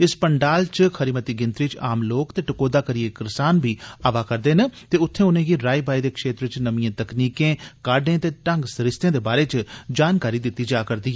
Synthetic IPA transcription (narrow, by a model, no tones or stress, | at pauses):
ɪspəɳɖaːlt͡ʃkʰəɾiːmət̪iːɡɪnt̪ɾiːt͡ʃaːmloːkt̪eːʈəkoːd̪aːkəɾijeːkɪɾɪsaːnbiːaːʋaːkəɾd̪eːnet̪eːʊt̪ʰːẽːʊnẽːɡiːɾaːiːbaːiːd̪eːkʃeːt̪ɾɪt͡ʃnəmiãːt̪əkniːkẽːkaːɖẽːt̪eːʈəŋɡsɾɪst̪ẽːd̪eːbaːɾeːt͡ʃd͡ʒaːnkaːɾiːd̪ɪt̪ːiːd͡ʒaːkəɾd̪iːɛː